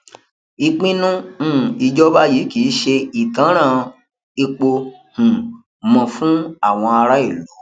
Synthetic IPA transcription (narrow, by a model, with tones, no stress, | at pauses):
i˧k͡pĩ˦nũ˦˨i˧d͡ʒɔ˦ba˦ji˨˦kiː˨˦ʃe˧i˨tã˨˦ɾ̃ã˦˨ | i˧k͡po˧hũ˨ | mɔ̃˧fũ˦a˦˨w̃ɔ̃˧a˧ɾa˦i˦˨lo˨˦